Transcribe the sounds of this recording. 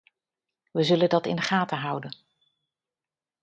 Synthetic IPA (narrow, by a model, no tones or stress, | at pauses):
ʋəzɵləndɑtɪ̰nχaːtəɦʌwdən